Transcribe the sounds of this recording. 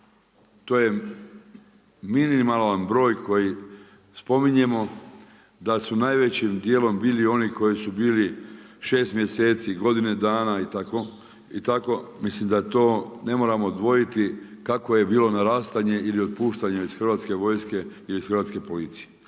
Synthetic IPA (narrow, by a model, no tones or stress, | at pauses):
t̪oːje̞ | miniimalanbɾo̞ːjko̞ji | spo̞miɲe̞mo̞ | d̪asunajʋe̞t͡ɕimd̪jeːlo̞mbiːlio̞niko̞jisubiːliʃe̞ːst̪mje̞se̞ːt̪siɡo̞d̪ined̪aːnait̪ako̞ | it̪ako̞mislimd̪at̪o̞ːne̞mo̞ɾamod̪ʋo̞jit̪ikako̞je̞biːlo̞naɾaːst̪aɲe̞ʔilio̞d̪̚puːʃt̪aɲeizxr̩ʋaːt̪ske̞ʋo̞jske̞ilisxəɾʋat̪ske̞po̞lit̪sije̥